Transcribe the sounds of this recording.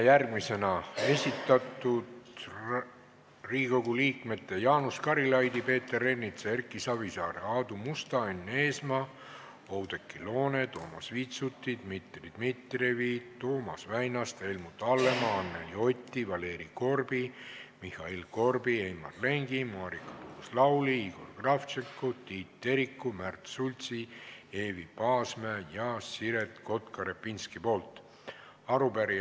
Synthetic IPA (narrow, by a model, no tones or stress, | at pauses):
jærɡmise̞nɑe̞sʲit̪ːˑɑt̪ˑːud̪ | riːko̞ɡuliːkme̞t̪ːe̞jɑːnuskɑɾilɑjd̪ipe̞ːt̪ːe̞ɾe̞nːit̪seerkːˑisɑvisɑːɾeɑːd̪umust̪ɑenːe̞ːsmɑ | o̞wd̪ekːilo̞ːne̞t̪o̞ːmɑ̰sviːt̪sut̪ːid̪̥mit̪rid̪̥mit̪revit̪o̞ːmɑsvæjnɑst̪e̞lmut̪ːɑlːemɑɑnːḛlio̞t̪ʲːivɑle̞ːɾiko̞rbimihɑilko̞rbiejmɑ̰rle̞ŋɡ̥imɑːɾikɑ̥t̪uːslɑwliiɡ̥o̞lɡ̥rɑft͡ʃekːot̪iːt̪ːe̞ɾikːumært̪sulʲt̪sie̞ːvipɑːsmejɑsiɾet̪ko̞t̪kɑɾepːinskipo̞ːlt̪ | ɑɾupæɾi